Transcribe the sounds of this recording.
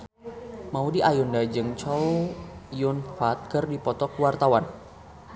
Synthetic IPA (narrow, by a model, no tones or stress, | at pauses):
maudiʔajundad͡ʒɨŋt͡ʃɔwjʊnfat̪̚kərdipɔt̪ɔkwart̪awan